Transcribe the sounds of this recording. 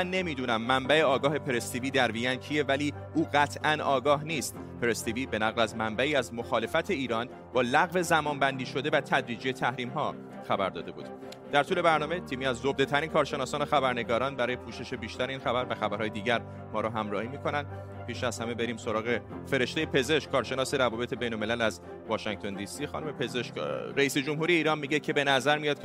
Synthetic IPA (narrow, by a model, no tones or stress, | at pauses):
mænːe̞miːd̪uːnæmːæmbæe̞ɒːɡɒːɦe̞pʰe̞ɾest̪iːviːd̪æɾviæncʰije̞væliː | ʔuːɢæt̪ʰʔænɒːɡɒːɦniːst̪ | pʰeɾest̪iviːbe̞næɣlæzmæmbæiːæzmo̞xɒːle̞fæt̪ʰe̞iːɾɒːn | b̥ɒːlæɣve̞zæmɒːnbænd̪iːʃo̞d̪e̞væt̪ʰæd̪ɾiːd͡ʒijet̪ʰæhɾiːmɦɒː | xæbæɾd̪ɒ̰ːd̪e̞bṵːd̪̥ | d̪̥æɾt̪ʰuːle̞bæɾnɒːme̞t̪ʰiːmiːæzːobd̪e̞t̪ʰæɾinkʰɒːɾʃenɒːsɒːnoxæbæɾne̞ɡɒːɾɒːnbæɾɒːje̞pʰuːʃe̞ʃe̞biːʃt̪æɾeiːnxæbæɾvæxæbæɾhɒːje̞d̪iːɟæɾ | mɒːɾɔɦæmɾɒːhiːmiːkʰo̞nænd̪ | pʰiːʃæz̥hæme̞be̞ɾiːmso̞ɾɒːɣefe̞ɾe̞ʃt̪ejepʰe̞ze̞ʃkkʰɒːɾʃe̞nɒːse̞ɾævɒːbe̞t̪ʰe̞be̞jnolme̞lælæz | vɒːʃæŋɡ̥t̪ʰo̞nd̪isiːxɒ̰nume̞pʰezeʃɾæiːsed͡ʒo̞mɦuːɾijeiːɾɒːnmiːɟecʰe̞be̞næzæɾmijɒːd̪̚